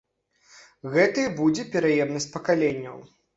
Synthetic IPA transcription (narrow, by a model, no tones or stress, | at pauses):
ɣɛt̪ɐjbud͡zʲɛpʲɛɾajɛmnɐsʲt͡sʲpɐkalʲenʲːɐ̰w